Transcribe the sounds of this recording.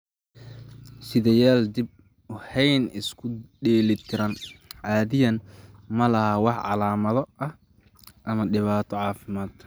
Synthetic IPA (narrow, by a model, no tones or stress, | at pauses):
sɪðɛjaːld̪ɪb̚ | ʊhɛjnɪskʰʊɖɛːlɪt̪ʰɪɾɐnʕɑːðɪjɐnmɐlɐhɐwɑħʕɑ̰laːmɐðɔʔɐh | ʔɐmɐɖɪβaːt̪ʰɔʕɑːfɪmaːd̪